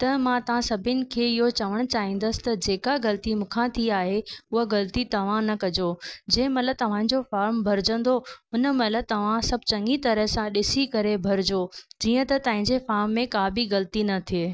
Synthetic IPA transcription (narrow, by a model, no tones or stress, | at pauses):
t̪ɐmãt̪ɐʋ̤ãsɐbʱɪnɪ̆kʰeːɪɦot͡ɕɐʋəɽ̃ʊ̆t͡ɕaːɦĩːn̆d̪əsɪ̥t̪ɐd͡ʑeːkaɣɐlət̪imũːkʰãt̪ʰiaːɦeʊɦəɣɐlt̪it̪ɐʋ̤ãnɐkɐd͡ʑod͡ʑɐ̃ːɪ̃mɐt̪ləb̚t̪ɐʋ̤ãːɪ̃ɲd͡ʑofaːɾmbʱɐɾɪd͡ʑə̃nd̪oʊnəmɐt̪ləb̚t̪ɐʋ̤ãsɐb̚ʱt͡ɕɐ̃ŋɡit̪ɐɾəɦsãɗɪsikɐɾebʱɐɾd͡ʑod͡ʑiːə̃t̪ɐt̪ɐ̃ːɦɪ̃ɲd͡ʑefaːɾmːẽkaːbʱiɣɐlt̪inɐt̪ʰieː